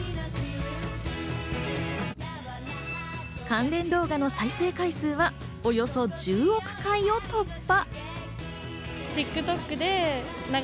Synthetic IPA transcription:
kãnɾẽ̞nd̪o̞ːɡano̞saise̞ːkaisɨːβa | o̞jo̞so̞d͡ʑɨːo̞kɯ̟̥kãio̞t̪o̞pːa | t̪ʲikːɯ̟t̪o̞kːɯ̟d̪e̞ | na

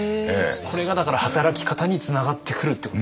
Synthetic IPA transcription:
ḛːkʰo̞ɾe̞ɡad̪akaɾahat̪aɾakʲi̥kat̪aɲ̟it͡sɨnaɡat̪ʰːe̞kɯ̟ɾɯ̟t̪ːek

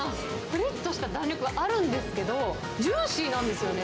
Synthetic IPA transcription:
a | ɸɯ̟ɾet̪ːo̞ɕi̥t̪ad̪ãnʲɾʲo̞kɯ̟ɡaʔaɾɯ̟̃nd̪e̞sɨ̥ke̞d̪o̞ | d͡ʑɨ̃ːɕinãnd̪e̞sɨjo̞ne

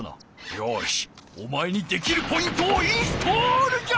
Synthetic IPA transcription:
no̰ | joɕomae̞ɲ̟id̪e̞kʲiɾɯ̟po̞ĩnt̪oːiːsɨ̥t̪ʰoːɾɯ̟d͡ʑa

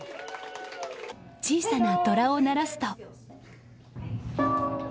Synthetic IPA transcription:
t͡ɕiːsanat̪o̞ɾao̞naɾasɨ̥t̪o̞

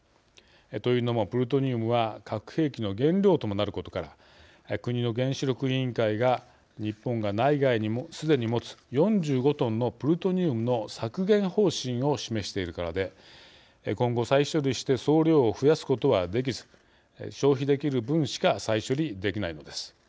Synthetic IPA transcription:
t̪o̞jɯ̟ːno̞mo̞pɯ̟ɾɯ̟t̪̬o̞ɲ̟ɨːmɯ̟βakʰakɯ̟̥he̞ːkʲino̞ɡẽ̞nɾʲo̞ːt̪o̞mo̞naɾɯ̟ko̞t̪o̞kaɾa̰ | kɯ̟ɲ̟ino̞ɡẽ̞ɕiɾʲo̞kɯ̟ĩŋkaiɡa | ɲ̟ipːõ̞ŋɡanaiɡaiɲ̟imosɨd̪e̞ɲ̟imo̞t͡sɨ̥jõ̞ɲ̟d͡ʑɨːɡo̞t̪õ̞nːo̞pɯ̟ɾɯt̪o̞ɲ̟ɨːmɯ̟no̞sakɯ̟ɡẽ̞ɰ̃ho̞ːɕĩɰ̃o̞ɕime̞ɕi̥t̪e̞iɾɯ̟kaɾad̪e̞ | kõ̞ŋɡo̞saiɕo̞ɾʲiɕi̥t̪e̞so̞ːɾʲo̞ːɸɯ̟jasɨ̥ko̞t̪o̞βad̪e̞k̬ʲizɨ̥ | ɕo̞ːçid̪e̞kʲiɾɯ̟bɯ̟̃ɰ̃ɕi̥kasaiɕo̞ɾʲid̪e̞kʲinaino̞d̪e̞sɨ̥

